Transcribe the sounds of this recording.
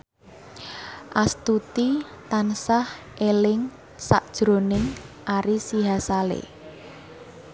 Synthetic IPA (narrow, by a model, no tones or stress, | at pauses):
ʔast̪ut̪it̪ansahʔelɪŋ | sa̰ʔd̥ʒ̥ɾonɪŋʔaɾisiɦasalḛ